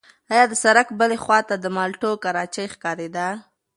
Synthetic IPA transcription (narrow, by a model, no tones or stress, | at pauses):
ɑjɑd̪əsaɾakbəlexwɑt̪ad̪əmɑlʈokaɾɑt͡ʃajxkɑɾed̪a